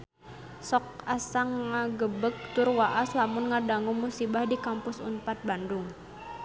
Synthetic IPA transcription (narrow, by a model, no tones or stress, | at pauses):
sɔkasaŋːaɡəbək̚t̪ʊrwaʔaslamʊnŋadaŋʊŋmusibahdikampʊsṵnpat̪̚bandʊŋ